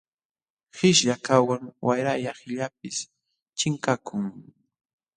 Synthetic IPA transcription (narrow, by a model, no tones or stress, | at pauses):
hɪʃʎakawaŋwajɾajahɪʎap̚ɪs | t͡ʃɪŋkakʰʊŋ